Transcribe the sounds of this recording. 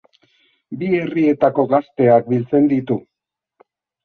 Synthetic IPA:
bie̞rie̞t̪ako̞ɣast̪e̞ak̚bilt͡se̞nd̪it̪u

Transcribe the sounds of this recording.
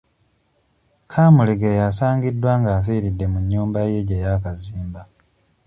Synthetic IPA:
kʰaːmuleɡejasaːŋɡidːwaːŋɡaːs̬iɾidːe̞muɲːuːmbaje̞ɟejaːkaziːmba

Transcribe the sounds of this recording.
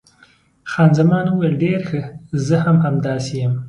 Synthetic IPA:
xɑnzamɑnuwejlɖeɾxəzəhamhamd̪ɑsejəm

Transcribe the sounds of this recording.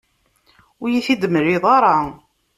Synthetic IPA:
ʊjiθid̪əməɾiðˤɑɾˤɑ

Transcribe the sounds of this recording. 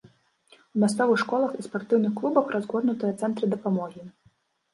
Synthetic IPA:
umʲast̪sɔvɨxʂkɔlˠɐxispart̪ɨwnɨxklˠubɐxrazɣɔd̪nut̪ɨjɐt̪sɛnt̪ɾɨd̪ɐpamɔɣʲi

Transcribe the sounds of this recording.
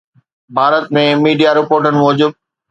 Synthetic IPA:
bʱaːɾət̪̚mẽmiːɖijaɾɪpoːɾʈənɪ̆mɔːd͡ʑuːd̪̚

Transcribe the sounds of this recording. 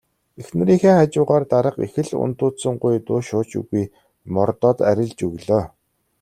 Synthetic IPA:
exnɘ̆ɾiːŋxeːχat͡ɕʊːʁaːrt̪aɾə̆qḛxɘ̆ɮʊ̰n̥t̪ʊːt̪sə̆ɴɢʊjt̪ʊːʃʊːt͡ɕɵ̰ɣuj | mɔrt̪ɔːt̪æɾʲɪ̆ɮt͡ɕɵɣɮoː

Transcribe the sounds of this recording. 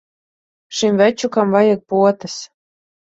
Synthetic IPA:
ʃimvæt͡ʃukamvajak̚puɔt̪ɨs

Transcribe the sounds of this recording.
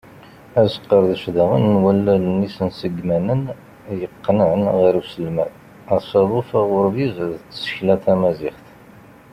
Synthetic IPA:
æsə̥qːəɾðəʃðæʁə̰nːwælːælnːisənsəɡmænən | jəqːnənʁiɾusəlmæ̰ð | æsˤɑðˤʊfæʁʊɾvizðət͡sːə̥çlæθæmæzɪχθ

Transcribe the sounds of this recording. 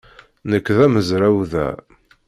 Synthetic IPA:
nəkːðæməzɾæwðæ̰

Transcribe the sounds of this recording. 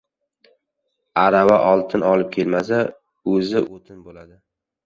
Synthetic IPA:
aɾavaʔɒlˠt̪ʰɪnɒlɪp̚kʲʰe̞lmasa | ɵzɪʔot̪ʰɪnbolad̪ɪ

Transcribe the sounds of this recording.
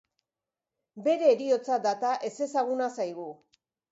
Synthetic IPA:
be̞ɾe̞ːɾio̞t͡sad̪at̪aʔe̞se̞saɣ̞unasajɣu

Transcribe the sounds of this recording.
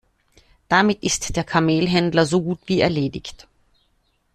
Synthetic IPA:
d̥amɪtɪstd̥eːɐkʰameːlɦɛndlɐzoːɡuːtv̥iːɛɐleːdɪçt

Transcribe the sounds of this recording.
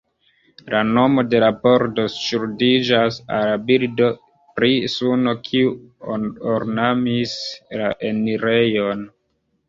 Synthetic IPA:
lano̞mo̞de̞labo̞ɾdo̞sʃuɾdid͡ʒasa̰labildo̞ | pɾisuno̞kʰiu | oɾnamislaʔeniɾe̞jo̞n

